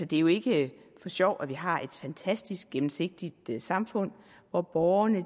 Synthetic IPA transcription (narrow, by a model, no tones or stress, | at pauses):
səd̥e̝æjo̝e̝ɡ̥əfɒ̽ɕɒʊ̰æʋiɦɑ̈ʔe̝d̥fænt͡sʰæsd̥isɡ̥̚ɡ̥emm̩se̝ɡ̥̚d̥id̥sɑ̈mfɔ̽n̰ | ʋɒb̥ɒʊɐnə